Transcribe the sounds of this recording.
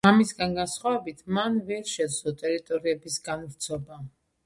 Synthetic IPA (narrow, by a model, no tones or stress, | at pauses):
amisɡanɡansχwavɛbit̪ʰmanvɛɾʃɛd̪zɔt̪ʼɛɾit̪ʼɔɾiɛbisɡaniɾt̪sʰɔba